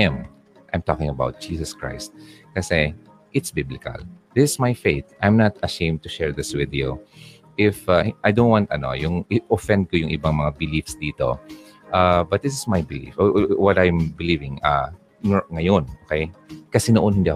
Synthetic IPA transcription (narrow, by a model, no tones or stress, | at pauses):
ɪm | ʔajmt̪o̰kɪ̃ŋɐbawt̪̚d͡ʒ̥iːsɐskɹa̰jst̪̚kɐsɛ | ʔɪt̪sbɪblɪkɐ̰ld̪ɪsɪsmajfeɪt̪ʔajmnɐt̪ɐʃẽɪ̃md̪̚t̪ʊʃɛɹd̪ɪswɪd̪ju | ʔɪfaʔajd̪õw̃nwant̪ɐno̰jʊŋɪʔofɛ̃nd̪̚kojʊŋʔɪbaŋmɐŋabɪlifsd̪iːt̪o̞̰ | ʔabɐt̪̚d̪ɪs̬ɪsmajbɪlḭfʔowɔt̪ajmbɪlivɪ̃ŋa | nŋɐjonʔokɛjkɐsɛnoʔonhɪnd̪iʔɐ